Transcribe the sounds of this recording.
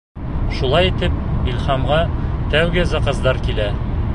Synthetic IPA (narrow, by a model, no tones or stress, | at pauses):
ʃulˠɑjit̪ɘp̚ilhɑmʁɑt̪æwɡɘzæqɤ̆zd̪ɑɾkilæ